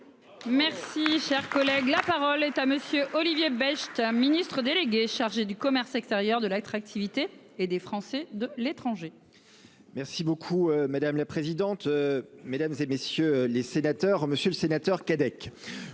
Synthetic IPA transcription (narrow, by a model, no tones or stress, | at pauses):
mɛʁsiʃɛʁkɔlɛɡlapaʁɔlɛt̪aməsjøʔɔlivjebɛʃt̪minist̪χəd̪eleɡʲeʃaʁʒed̪ykɔmɛʁsɛkst̪eʁjœʁd̪əlat̪χak̚t̪ʰivit̪eː | d̪efχɑ̃sɛd̪əlet̪χɑ̃ʒe | mɛʁsibokʰuømad̪amlapχezid̪ɑ̃t̪ømed̪amzemesjølesenat̪œʁməsjøləsenat̪œʁkad̪ɛk